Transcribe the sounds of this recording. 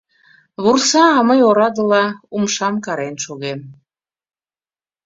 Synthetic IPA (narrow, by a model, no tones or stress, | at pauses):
βursɑɑməjoɾɑd̪əlɑumʃɑmkɑɾenʃoɣem